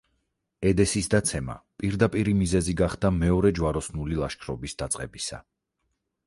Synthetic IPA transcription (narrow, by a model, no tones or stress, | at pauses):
ɛd̪ɛsisd̪at̪sʰɛma̰pʼiɾd̪apʼiɾimizɛziɡaχd̪amɛɔɾɛd͡ʒwaɾɔsnulilˠaʃkʰɾɔbisd̪at̪sʼqʼɛ̰bisa̰